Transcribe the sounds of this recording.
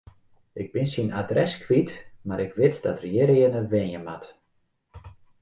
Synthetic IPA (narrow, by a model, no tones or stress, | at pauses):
ʔɪɡ̚bɪnsinadrɛskʰʋitmaɾɪkʋɪtd̥ɔtərjɪɾɪənəʋɛnjəmat